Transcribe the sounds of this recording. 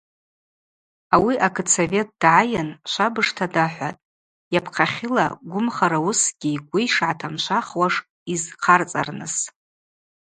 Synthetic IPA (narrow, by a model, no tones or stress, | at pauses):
awiʔakʰɨt͡sʰove̞t̚ʼd̥ʕajanʃʷabɨʂtʰadaħʷa̰tʼ | japʰqʰaχʲɪla̰ɡʷʊmχaɾawusɡ̥ʲijɡʷʊjʂʕatʰamʃʷaχwaʂ | izqʰart͡sʼa̰rnɨs